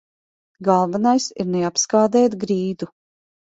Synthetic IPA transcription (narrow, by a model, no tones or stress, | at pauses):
ɡalˠvanajsiɾnɛapskaːd̪ɛːt̪ɡɾiːd̪u